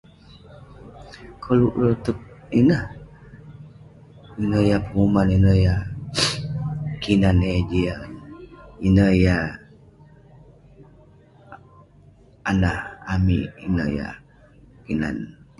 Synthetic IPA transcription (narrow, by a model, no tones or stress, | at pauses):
kʰɔluʔlɔt̪ut̪̚inəh | inəjapəŋumaninəja | kʰinaned͡ʒianinəja | anahamiʔinəja̰ | kina̰n